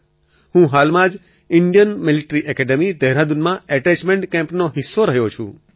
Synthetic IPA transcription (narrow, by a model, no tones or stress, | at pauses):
ɦhũɦalmãd͡ʒ | ɪɳɖijənmɪliʈɾiʔɛkɛɖəmid̪əɦɾad̪unmãɛʈɛt͡ʃmeɳʈkɛ̃mpnoɦɪsːoɾəɦjot͡ʃʰṵ̃